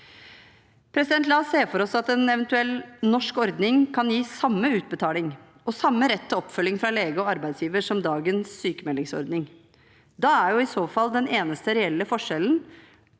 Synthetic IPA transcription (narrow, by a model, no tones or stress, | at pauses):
pʰɾɛsɪd̪ɛnt̪lɑːseːfɔɾɔsɑt̪ɛnɛʋənt̪ʉɛlnɔʂkɔɾd̪nɪŋkʰɑnjiːsɑmːəʉːt̪̚bət̪ʰɑːlɪŋ | ɔsɑmːəɾɛt̪ʰːɪlɔpːfœlːɪŋfɾɑleːɡəɔɑɾbæɪsjiːʋəɾʂɔmd̪ɑːɡənsːyːkəmɛlɪŋsɔ̰ɾd̪nɪŋ | d̪ɑːæɾjʊɪsoːfɑld̪ɛneːnəst̪əɾɛɛlːəfɔʂɛlən̩